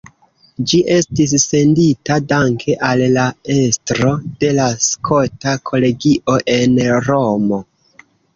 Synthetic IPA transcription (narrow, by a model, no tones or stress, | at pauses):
d͡ʒiʔe̞stis̬ːe̞nditadaŋkʰe̞ʔalːae̞stɾo̞d̥e̞laskʰo̞takʰo̞le̞ɡiʔo̞ʔe̞nɾo̞mo̞